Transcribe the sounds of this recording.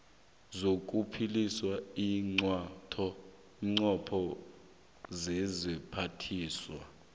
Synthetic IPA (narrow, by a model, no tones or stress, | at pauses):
zok̬ʼupʰiliswaiːŋ͡ǀwatʰɔ | ŋ͡ǀɔpʰɔ | zɛzipʰatʰiːswa